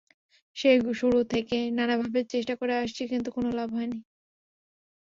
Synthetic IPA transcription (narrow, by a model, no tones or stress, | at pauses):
ʃeʃuɽut̪ʰekenanabʱabeɾt͡ɕeʃʈakoɾeaʃt͡ɕʰikint̪ukonolabʱɦɔeni